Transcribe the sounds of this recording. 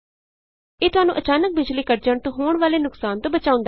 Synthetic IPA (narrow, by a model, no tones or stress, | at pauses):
eːt̪ʊɦaːnũːʔət͡ʃaːnək̚bɪd͡ʒliːkəɾd͡ʒəɳt̪õːɦoːɳʋaːleːnʊksaːnt̪õːbət͡ʃaːʊ̃nd̪a